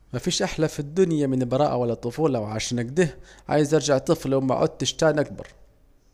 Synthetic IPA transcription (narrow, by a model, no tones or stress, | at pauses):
mafiːʃʔaħlafid̪ːʊnjamɪnlbɑɾˤɑːʔawalːat̪ˤːʊfuːlɑwʕaʃaːnʔaɡd̪ɪhʕa̰ːjɪzʔɑɾˤd͡ʒaʕt̪ˤɨflwma̰ʕʔʊ̰dt̪ːɪʃt̪aːnʔak̚bɑ̰ɾˤ